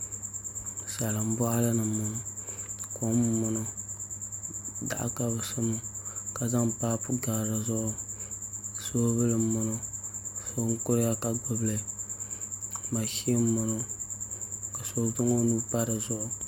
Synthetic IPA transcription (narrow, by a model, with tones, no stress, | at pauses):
sa˨lɨ˨m̩˦bɔ˦ʔa˦la˦nɨ˨mʊ˨ʊ˨ko˦m˦mʊ˨no˨ | da̰˨ʔa̰˦ka˦bɨ˨sʊ˦mʊ˦ka˨za˦ŋpaː˦pu˦ɡa˨ɾa˨zʊ˦ʔʊ˦ | so˦bɨ˦lɨ˨mʊ˦no˦˨so˦ŋ̩˦kʊ˦ɾja˦ka˨ɡ͡bʊ˦blɨ˨ | ma˨ʃi˦mʊ˨no˨ | ka˨so˦vɨ˦ŋo˦nu˦pa˦ɾɨ˨zʊ˦ʔʊ˨